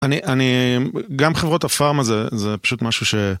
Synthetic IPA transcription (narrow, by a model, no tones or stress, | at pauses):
aniʔaniɡamχevʁo̞tafaʁmazezepḁʃut̪maʃuʃe̞